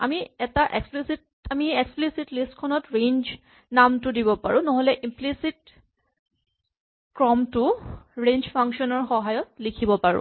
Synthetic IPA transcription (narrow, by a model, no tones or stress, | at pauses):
a̰miɛtaʔeksplisit̚ | amieksplisitlistkʰɔnɔtɹend͡ʒ | namtʊdiβɔpa̰ɹũnoɦolɛʔimplisit̚ | kɹɔmtʊɹend͡ʒpʰaŋkʃɔnɔɹxɔɦajɔt̚likʰibɔpaɹṵ̃